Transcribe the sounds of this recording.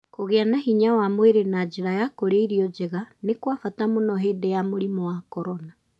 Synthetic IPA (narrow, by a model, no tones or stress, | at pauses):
koɣeanahiɲawamweɾenad͡ʒeɾajakoɾeiɾiɔd͡ʒeɣanekwafatamonɔɦeːdejamoɾimɔwakɔɾɔna